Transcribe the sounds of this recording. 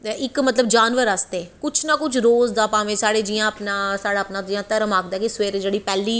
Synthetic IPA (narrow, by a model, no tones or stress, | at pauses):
ɪkmət̪ləbd͡ʒaːnʋəɾaːst̪eːkʊt͡ʃʰnaːkʊt͡ʃʰɾoːzd̪aːpãːʋẽːsaːɽeːd͡ʒiːjãːəpnãːsaːɽaːpnãːijãːt̪əɾmaːkd̪aːkisʋeːɾd͡ʒeːɽiːpɛːliː